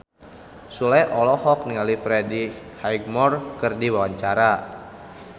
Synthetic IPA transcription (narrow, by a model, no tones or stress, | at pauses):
sulɛjʔɔlɔhɔk̚niŋalifɾɛdi | hajɡmɔrkɨrdiwawaɲt͡ʃaɾa